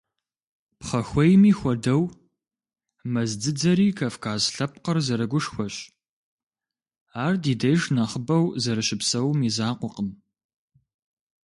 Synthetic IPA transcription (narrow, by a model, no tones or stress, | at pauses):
pχɐxʷɔjmiːxʷɔdɐw | mɐzd͡zɨd͡zɐɾiːkʰafkʰaːzɬɐp̚qərzɐɾɐɡʷʊʂxʷɔɕ | aːrdiːdɐjʒnɐχəbɐwzɐɾɨɕɪpsɐwmiːzaːqʷɔqəm